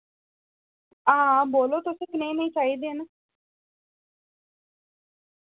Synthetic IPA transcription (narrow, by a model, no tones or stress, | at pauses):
ãːboːloːt̪ʊsẽːkɪnə̃ĩːnəĩːt͡ʃaːid̪eːnə